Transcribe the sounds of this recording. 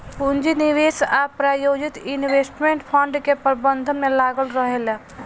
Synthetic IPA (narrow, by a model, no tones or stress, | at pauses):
pund͡ʒiniʋeːsapɾaːjoːd͡ʒit̪inʋeːsʈmẽɳʈpʰəɳɖkepɾbənd̪ʱəmẽlaːɡəlɾəɦel